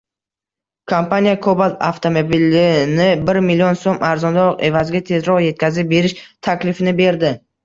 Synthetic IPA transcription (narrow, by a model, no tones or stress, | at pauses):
kʰompanijakʰobalt̪a̰ft̪ʰomobilɪnɪbɪɾmilːionsomʔaɾzɒnd̪aqe̞vazɪɡʲat̪ʰe̞zɾɒʁjet̪̚kʲʰazɪp̚be̞ɾɪʃt̪ʰakʲlɪfɪnɪbe̞ɾd̪ɪ